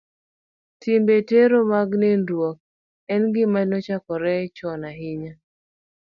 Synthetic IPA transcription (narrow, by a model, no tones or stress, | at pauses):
tɪmbeteɾomaɡnendwɔk̚ | ɛnɡɪmanɔt͡ʃakɔɾɛt͡ʃɔnaɦɪɲa